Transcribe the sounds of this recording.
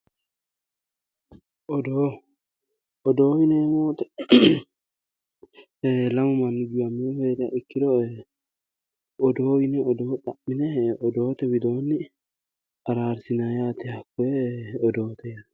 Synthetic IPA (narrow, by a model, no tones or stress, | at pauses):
ɔd̪oː | ɔd̪o̞ːwɪneːmoːt̪ɛ | lɐmʊmɐnːʊɡɪwɐmːɪheːd̪ɪja̰ːʔɪkːɪd̪ɔ | ɔd̪oːwɪnɛɔd̪oːᶑ̪ɐʔmɪnɛɔd̪o̞ːt̪ɛwɪd̪o̞ːnːɪ | ɐɾaːɾsɪnaːjaːt̪ɛhɐkːɔɛɔd̪o̞ːt̪ʰɛja